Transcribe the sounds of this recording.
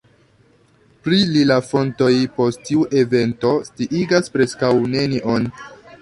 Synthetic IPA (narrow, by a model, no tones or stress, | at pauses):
pɾililafo̞nto̞jpo̞sttiuʔe̞ve̞nto̞stiʔiɡaspɾe̞skawne̞niʔo̞n